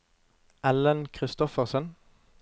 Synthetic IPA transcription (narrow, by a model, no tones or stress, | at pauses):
ʔɛlənkʰʁɪst̪ɔfəʁsən